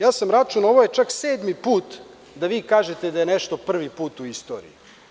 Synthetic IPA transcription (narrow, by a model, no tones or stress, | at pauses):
jaːsamɾat͡ʃuno̞ʋoje̞t͡ʂakseːd̪mipuːt̪ | d̪aʋiːkaːʒet̪ed̪ajeneʃt̪o̞pr̩ʋipuːt̪uist̪o̞̰ɾḭi